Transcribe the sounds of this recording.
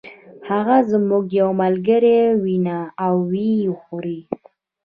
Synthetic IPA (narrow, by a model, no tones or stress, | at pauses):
haɣazmuɡjawmalɡəɾewinaawːixoɾi